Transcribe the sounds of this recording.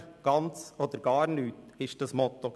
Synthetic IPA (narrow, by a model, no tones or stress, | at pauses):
ɡ̥ɑnt͡sɔːd̪əɾɡɑːɾnyːt̪ɪʃd̥ɑsmɔt̪ːo